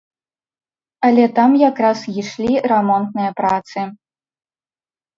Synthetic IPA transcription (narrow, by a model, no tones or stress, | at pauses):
ɐlʲɛt̪amjakɾasjiʂlʲiɾamɔnt̪nɨjɐpɾat̪sɨ